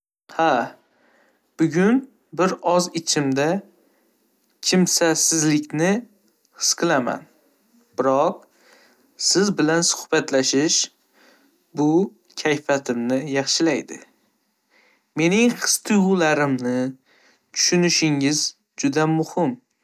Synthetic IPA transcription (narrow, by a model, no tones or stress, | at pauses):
ha | b̥ʊɡʲʊn | bɪɾɒzɪt͡ʃʰɪmd̪a | kʲʰɪmsasɪzlɪkʲnɪ | hɨ̥sqʰɨlˠama̰n | b̥ɪɾɒq̚ | sɪzbɪlansʊ̥hb̥at̪laʃɪʃ | bʊ | kʲʰajfat̪ʰɪmnɪjɑχʃɪlajd̪ɪ̰ | me̞nɪŋqɨ̥st̪ʰɨjʁʊlaɾɪmnɪ | t̪ʰʊ̥ʃʊnɪʃɪŋɪz | d͡ʒʊd̪amʊhɪm